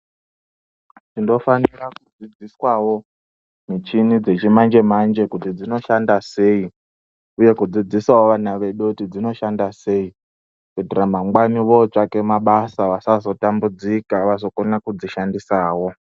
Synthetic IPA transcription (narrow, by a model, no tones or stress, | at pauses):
tindo̞fanirakud͡zid͡ziswawo̞ | mit͡ʃinid͡ze̞t͡ʃimand͡ʒe̞mand͡ʒe̞kutid͡zino̞ʃandase̞i | uje̞kud͡zid͡ziswawoʋanaʋe̞ɗuutid͡zino̞ʃandase̞i | ketiramaŋɡwaniʋo̞t͡ʃake̞maɓasaʋasazo̞tambud͡zikaʋaso̞konakud͡ziʃandisaːwo̞